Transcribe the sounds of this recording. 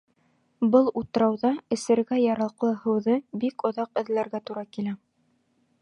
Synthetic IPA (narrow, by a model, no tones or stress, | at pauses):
bɤlˠut̪ɤ̆ɾɑwðɑɘ̆sɘ̆ɾɡæjɑɾɑlˠqlˠɤhɤ̆wðɤbikŏðɑqɘ̆ðlæɾɡæt̪uɾɑkilæ